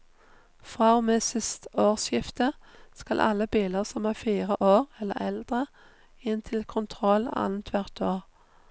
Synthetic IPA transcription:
fʁɑːmeːsɪst̪oːʁsjɪft̪əskɑlʔɑ̰ləbiːləʁsɔmæːfiːʁəʔoːʁɛlːə̰ʁɛld̪ʁə | ɪnt̪ʰɪlkʰʊnt̪ʰʁɔlɑ̰nn̩t̪ʰʋæʁt̪ʰoːʁ

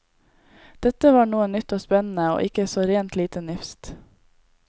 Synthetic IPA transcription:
d̪̥ɛt̪əʋɑːɳuːənnʏt̪oːspɛnn̩əo̰ːʔɪkəsoːɾeːnt̪liːt̪ənʏfst̪

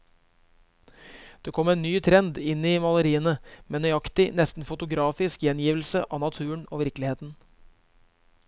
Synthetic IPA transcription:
d̪̥eːkʰɔmeːnnyːt̪ʰɾɛnd̪ɪnːiːmɑləɾiːənəmeːnœʏɑkt̪ɪnɛst̪n̩fʊt̪ʊɡɾɑːfɪskjɛnjiːʋlsə̰ʔɑːnɑt̪ʰʉːəɳo̰ːʋɪɾklɪheːt̪n̩

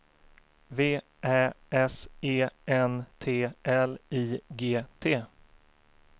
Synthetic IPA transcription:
veː | ʔæːɛseːɛnt̪ʰeːʔɛliːɡeːt̪ʰeː

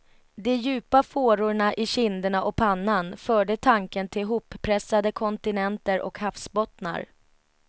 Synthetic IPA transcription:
d̪ɛjʉ̟ːpafoːɾʊɳaʔɪɕɪnd̪əɳaʔɔpʰanːanfœːɖət̪ʰaŋkənt̪ʰɪlɦuːpːʰɾɛsːad̪əkʰɔnt̪ɪnɛnt̪əɾʔɔ̰khafsbɔt̪na̰ɾ

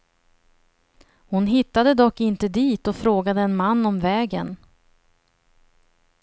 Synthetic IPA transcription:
hʊnɦɪt̪ːad̪əd̪ɔkːɪnt̪əd̪iːt̪ɔfɾoːɡad̪əɛnmanːɔmvɛːɡən

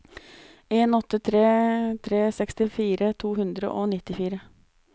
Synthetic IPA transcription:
eːnɔt̪ːət̪ʰɾeːt̪ʰɾeːsɛkst̪ɪfiːɾət̪ʰuːɦʉnd̪ɾə̰ʔoːnɪt̪ːɪfiːɾə

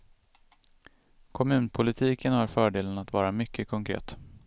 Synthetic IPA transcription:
kʰɔmʉ̟ːnpʰʊlɪt̪ʰiːkʰənhaɾfœːɖeːlənat̪vɑːɾamʏkːəkʰɔŋkʰɾḛːt̪

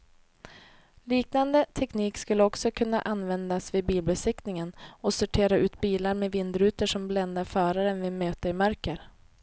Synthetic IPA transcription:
liːknand̪ət̪ʰɛkniːkskɵlːəɔksɔkʰɵnːa̰ʔanːvɛnd̪asvɪbiːlbəsɪknɪŋənɔsɵʈʰeːɾaʔʉ̟ːt̪̚biːlaɾmevɪnd̪ɾʉ̟ːt̪əʂɔmblɛnd̪aɾfœːɾaɾɛnvɪmøːt̪əɾɪmœɾkəɾ

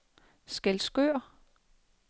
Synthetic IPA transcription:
sɡ̥ælsɡ̥ø̰ːɐ̰

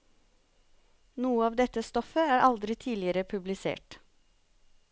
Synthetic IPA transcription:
nuːəɑːʋd̪ɛt̪əst̪ɔfəæːɾʔɑld̪ɾɪt̪ʰiːlɪəɾəpʰʉblɪsḛːʈ

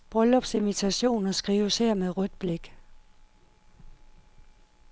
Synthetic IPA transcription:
b̥ʁœlɒ̽b̥se̝mit͡sʰæɕo̝̰ːnɐsɡ̥ʁiːʊsheɐ̰meðˠʁœd̥̚b̥le̝ɡ̥

